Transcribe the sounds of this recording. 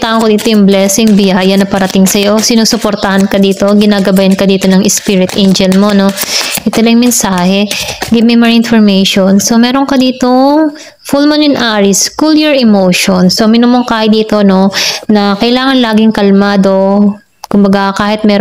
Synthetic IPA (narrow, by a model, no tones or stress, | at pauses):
t̪aːʔɐŋkod̪iːt̪ojʊŋblɛsɪŋbɪjaːjɐnɐpɐɾɐt̪ɪŋsɐjo̞sɪnuːsʊpoɾt̪ɐhɐnkɐd̪iːt̪o̞ɡɪnaːɡɐbajɐnkɐd̪iːt̪o̞nɐŋʔɪspiɾɪt̪ʔɛnd͡ʒɛlmo̞no̞ʔɪt̪ɐlɐjmɛnsaːhɛɡɪbmɛmɐɾʔɪnfoɹmɛjʃonso̞mɛːɾoŋkɐd̪iːt̪o | fulmonʊnʔaɹɪskuljɛɹɪmowʃonsomɪnumoŋkaːhɪd̪iːt̪o̞no̞nɐkɐʔɪlaːŋɐnlaːɡɪŋkɐlmaːd̪o̞ | kʊmbɐɡakaːhɪt̪̚mɛ